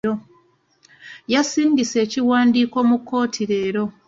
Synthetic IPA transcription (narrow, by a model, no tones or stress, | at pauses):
o | jasiːɲɟise̞ːciwaːndiːko̞ːmukːo̞ːtʰiɾe̞ːɾo̞